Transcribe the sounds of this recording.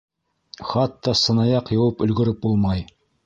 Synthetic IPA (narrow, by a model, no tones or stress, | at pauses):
χɑt̪ːɑsɤ̆nɑjɑqjɑ̆wɤpɵ̆lɡɵ̆ɾɘp̚bulˠmɑj